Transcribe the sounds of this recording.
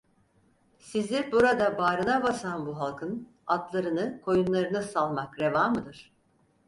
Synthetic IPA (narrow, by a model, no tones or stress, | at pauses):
sizd̪ʲiɾbuɾad̪abaːɾɯnabasanbuɦalˠkʰɯn | at̪lˠaɾɯnɯkʰo̞junlˠaɾɯnɯsalˠmakɾe̞vaːmɯd̪ɯɾ̥